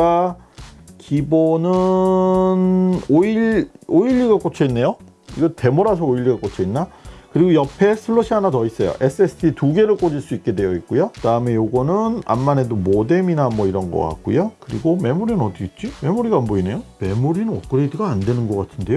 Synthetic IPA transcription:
a | kibonɯ | noiʎoiʎːiɡak͈ot͡ɕʰʌinːe̞jo | iɡʌte̞moɾas̬ʰʌoiʎːiɡak͈ot͡ɕʰʌinːakɯɾiɡojʌpʰe̞sʰɯɭːʌɕʰiɦanatʌis͈ʌjo̰ʔe̞s͈ʰɯesʰɯdʰituɡe̞ɾɯɭk͈od͡ʑiɭs͈uik͈̚e̞dwe̞jʌik̚k͈ujokɯdaɯme̞joɡʌnɯna̰mːane̞domode̞minamwʌiɾʌnɡʌ̰k͈a̰k̚k͈ṵjokɯɾiɡome̞moɾinɯnʌt̪͈iit̚t͡ɕ͈ime̞moɾiɡaːmbʌine̞jome̞muɾinɯnʌt̚k͈ɯɾediɡaːndwe̞nɯnɡʌk͈atʰɯnde̞jo

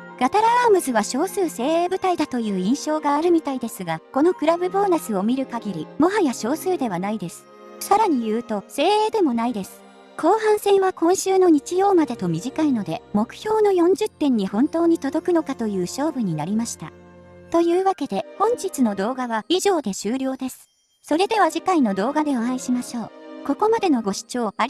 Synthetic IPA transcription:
ɡ̥at̪aɾaaːmɯ̟zɨβaɕo̞ːsɨːse̞ːeːbɯ̟t̪aid̪at̪o̞jɯ̟ːĩɰ̃ɕo̞ːɡaːɾɯ̟mʲit̪aid̪e̞sɨɡako̞no̞kɯ̟ɾabɯ̟boːnasɨo̞mʲiɾɯ̟kaɡʲiɾʲimo̞ɦajaɕo̞ːsɨːd̪e̞βanaid̪e̞sɨ̥ | saɾaɲ̟ijɯ̟ːt̪o̞se̞ːeːd̪e̞mo̞naid̪e̞sɨ̥ | kʰo̞ːɦãɰ̃sẽ̞ɰ̃βakõ̞ɰ̃ɕɨːno̞ɲ̟it͡ɕijo̞ːmad̪e̞t̪o̞mʲiʑikaino̞d̪e̞mo̞kɯ̟̥çʲo̞ːno̞jõ̞ɲ̟d͡ʑɨt̪ːẽ̞ɲ̟ːihõ̞nt̪o̞ːɲ̟it̪o̞d̪o̞kɯ̟no̞kat̪o̞jɯ̟ːɕo̞ːbɯ̟ɲ̟inaɾʲimaɕi̥t̪a̰t̪o̞jɯ̟ːβake̞d̪e̞hõ̞ɲ̟d͡ʑit͡sɨno̞d̪o̞ːɡaβaiʑo̞ːd̪e̞ɕɨːɾʲo̞ːd̪e̞sɨ̥ | so̞ɾe̞d̪e̞β̞aʑikaino̞d̪o̞ːɡad̪e̞oãĩɕimaɕo̞ːko̞ko̞mad̪e̞no̞ɡo̞ɕi̥t͡ɕo̞ːa

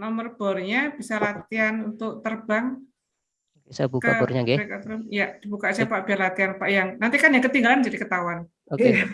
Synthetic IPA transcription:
nɔmərb̥ɔrɲab̥isalat̪ianunt̪ʊk̚t̪ərbaŋ | okesabukəaɔrɲaɡɛekat̪əramjad̥ibukasiapaʔb̥iarlat̪ianpaʔjaŋnant̪ikanjaŋkət̪iŋɡaland͡ʒadikət̪awan | oe

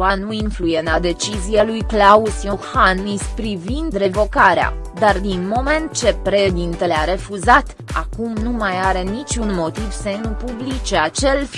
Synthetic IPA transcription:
anuinflujenad̪e̞t͡ʃizijalujklausjohanispɾivind̪re̞vo̞kaɾea̰d̪ard̪inmo̞me̞nt̪̚t͡ʃe̞pɾe̞ʃd̪int̪e̞leaɾe̞fuzat̪ | a̰kumnumajaɾe̞nit͡ʃʲunmo̞t̪iv̥senupublit͡ʃeat͡ʃe̞l

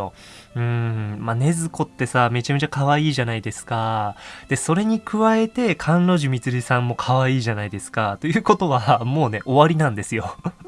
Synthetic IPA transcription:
o | ɯ̟̃ɴmane̞zɨko̞t̪ːe̞same̞t͡ɕame̞t͡ɕakaβaiːʑanaid̪e̞sɨ̥kad̪̥e̞so̞ɾe̞ɲ̟ikɯ̟βae̞t̪e̞kʰãnɾo̞ʑimʲit͡sɨɾʲisãmːo̞kʰaβaiːʑanaid̪e̞sɨ̥kat̪o̞jɯ̟ːko̞t̪o̞βamo̞ːne̞ʔo̞βaɾʲinãnd̪e̞sɨjo̞

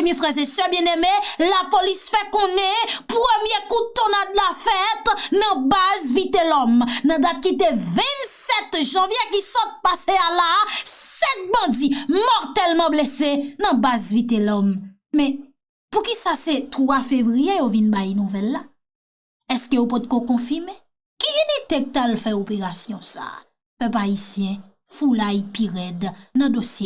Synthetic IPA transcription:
mjɛfʁɛʁzesɛbjɛ̃nemelapolisfɛkɔ̃nɛ̃pʁømjekut̪onad̪lafɛt̪nɐ̃bazvit̪elɔmnɐ̃d̪at̪̚kit̪evɛ̃nsɛt̪ʒɑ̃vjekisɔt̪̚pasealasɛ̃t̚bɑ̃d͡zimɔʁt̪ɛlmɑ̃blesenɐ̃bazvit̪elɔm | mɛ̃ | pukisaset̪ʁwafevʁijejovinbajnũvɛlːa | ɛskeopɔt̪̚kokɔ̃fime | kiinit̪ek̚t̪alfɛopeʁasjɔ̃sa̰ | pøpaisjɛ̃ | fulaipiʁɛdnɐ̃d̪osje

